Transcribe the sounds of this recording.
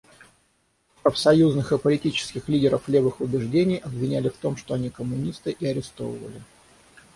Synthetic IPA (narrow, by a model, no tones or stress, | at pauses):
pɾəfsɐjuznɨxɨpəlʲɪtʲit͡ɕɪ̥skʲɪxlʲidʲɪɾəflʲevɨxʊbʲɪʐdʲenʲɪjɐbvʲɪnʲælʲɪft̪o̞mʂt̪o̞ɐnʲikəmːʊnʲist̪ɨʔiɐɾʲɪst̪o̞̰vəvə̰lʲɪ